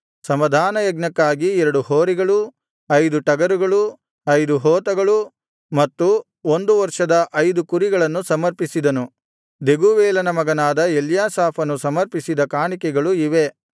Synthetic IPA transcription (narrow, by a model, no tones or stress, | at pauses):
sɐmɐd̪ʱaːnɐjɐɡnɐkːaːɡiɛɾɐɽuhoːɾiɡɐɭu | ɐjd̪uʈɐɡɐɾuɡɐɭu | ɐjd̪uɦɔːt̪ɐɡɐɭu | mɐt̪ːu | o̞nd̪uʋɐɾʂɐd̪ɐʔɐjd̪ukuɾiɡɐɭɐnːusɐmɐɾpisid̪ɐnu | d̪e̞ɡuːʋɛːlɐnɐmɐɡɐnaːd̪ɐeljaːsaːpʰɐnusɐmɐɾpisid̪ɐkaːɳikɛɡɐɭuiʋe̞